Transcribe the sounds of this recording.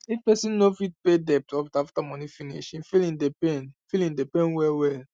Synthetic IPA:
ifpɛsĩnnofit̚pedɛp̚tɔftaftamɔ̃nifinḭʃĩnfilĩndepẽnĩfilĩndepɛ̃nwɛwɛl

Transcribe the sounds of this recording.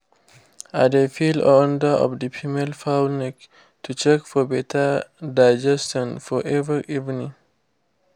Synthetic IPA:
a̰defilɔ̃ndəʔɔ̰vdəpʰimelfaʊlnɛk | tʰut͡ʃɛkfɔbɛtʰədaɪd͡ʒɛstɔ̃nfɔʔɛvɹiʔivnĩŋ

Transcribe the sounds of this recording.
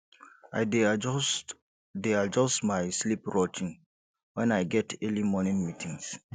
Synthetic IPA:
aɪds | dead͡ʒɔstmaɪslipɹɔt͡ʃĩŋ | wɛ̃najɡɛtʰɛlimɔnĩnmitʰĩŋs

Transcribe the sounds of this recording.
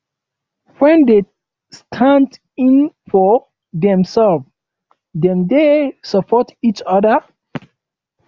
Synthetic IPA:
wɛ̃nde | stʰãnd | ĩnfɔ | dɛ̃msɛlv | dɛ̃mdesɔpʰɔtit͡ʃɔdə

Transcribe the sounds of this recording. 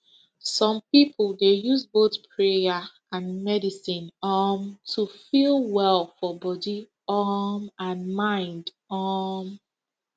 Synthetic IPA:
sɔ̃mpipʰlˠdejuzboθpʰɹea | ãnmɛdisĩnamtʰufilˠwɛlˠfɔbɔdi | amãnmãɪ̃nd | am

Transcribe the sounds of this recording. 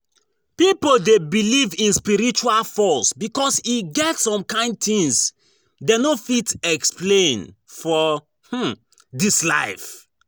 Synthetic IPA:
pipodebilivĩnspiɹit͡ʃualfɔsbikɔsiɡɛtsɔ̃mkãɪ̃nd̚tĩŋs | denofitɛksplẽnfɔ | h̩ | disla̰ɪf

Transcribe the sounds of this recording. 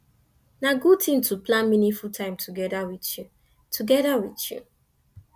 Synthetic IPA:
naɡutĩntuplãnmĩnĩfultʰãɪ̃mtʰuɡɛdawitju | tʰuɡɛdawitjṵ

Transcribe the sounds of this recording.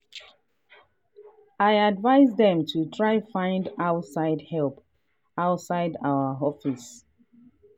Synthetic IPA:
aɪadvaɪzdðɛ̃mtʰutʰɹaɪfãɪ̃ndaʊtsaɪdhɛlp | aʊtsaɪdawəɦɔfis

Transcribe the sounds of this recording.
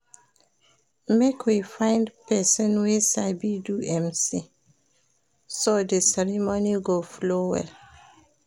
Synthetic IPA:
mekʰwifãɪ̃ndpɛsɔ̃nwesabiduɛ̃msi | sodəsɛɹimoniɡoflowɛ̰l

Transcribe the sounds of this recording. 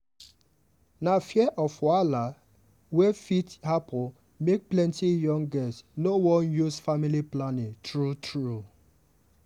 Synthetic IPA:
nafjɛʔɔfwala | wɛfithapʰʊ | mek̚plɛ̃ntijɔ̃ŋɡɛstnowɔ̃njusfamiliplanɪ̃ŋtɹutʰɹu

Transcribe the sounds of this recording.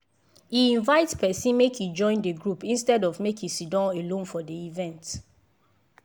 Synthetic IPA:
iĩnvaɪtspɛsĩnmekjid͡ʒɔ̃ɪ̃ndəɡɹupĩnstɛdɔvmekisidɔ̃elõnfɔdiivɛ̃nt

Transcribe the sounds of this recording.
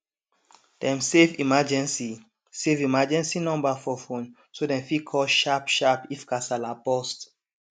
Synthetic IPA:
d̥ɛ̃msevimad͡ʒɛ̃nsi | sevimad͡ʒɛ̃nsinɔ̃mbafɔfõn | sodɛ̃mfikʰɔʃapʃapifkasalapɔst

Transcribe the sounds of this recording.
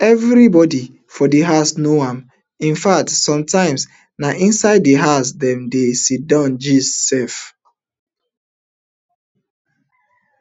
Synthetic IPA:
ɛvɹibɔdi | fɔdiɦasnoãm | ĩnfak̚tsɔ̃mtãɪ̃ms | naʔĩnsaɪdːiɦasdɛ̃mdesidãnd͡ʒissɛf

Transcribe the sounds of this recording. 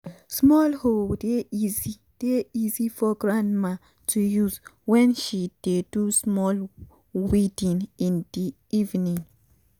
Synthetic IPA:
smɔlhodeizi | d̥eizifɔɡɹãndma | tʰujuzwɛ̃nʃid̥edusmɔl | widĩnĩndi | ivnĩŋ

